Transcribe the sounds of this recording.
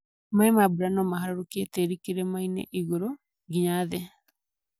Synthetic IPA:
maemabuɾanɔmaɦaɾoɾokieteɾikeɾɛmainḛʔiɣoɾo | ɡiɲaðɛ

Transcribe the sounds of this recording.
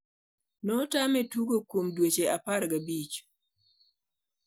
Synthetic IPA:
nɔtamɛtuɡokomdwet͡ʃeʔapaɾɡabit͡ʃ

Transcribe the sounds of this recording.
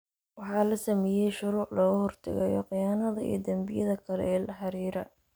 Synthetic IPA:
wɑħɑːlɐsɐmɛːjɛjʃʊɾuːʕlɐɣʊhɔrt̪ʰɐ̰ɣɛjɔ̰qɪjaːnɐðɐḭːd̪ɐmbɪjɐðɐkʰɐlɛ̰ːlɐħɑɾiːɾɐ̰

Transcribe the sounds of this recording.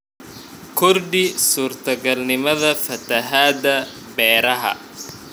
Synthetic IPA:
kʰʊrdɪsuːrt̪ʰɐɡɐlnɪmɐðɐfɐt̪ʰɐɦaːd̪ɐ | bɛːɾɐɦɐ̰

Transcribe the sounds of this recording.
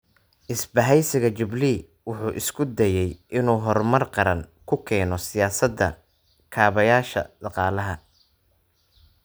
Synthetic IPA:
ʔɪsbɐɦɛjsɪɣɐt͡ʃɪbli | wʊħuːʔɪskʰʊd̪ɛjɛjʔɪnuːɦɔrmɐrqɑɾɐŋkʰʊkʰɛːnɔsɪjaːsɐd̪ɐ̰ | kʰaːβɐjaːʃɐ̰d̪ɑqɑːlɐɦɐ

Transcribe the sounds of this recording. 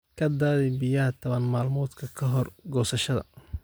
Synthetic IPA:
kʰɐd̪aːðɪbɪjɐɦɐt̪ʰɔβɐnmaːlmɔːd̪kʰɐkʰɐɦɔrɡɔːsɐʃɐðɐ̰

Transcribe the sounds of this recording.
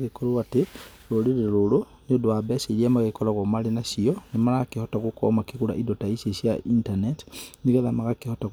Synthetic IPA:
ɣekoluwati | loliɾelulu | nidwabeseliamaɣekolaɣomalinasionimalakihotakuko̰makikula̰ʔidotaisesjaintaneti̥nikeðamaɣakihotak

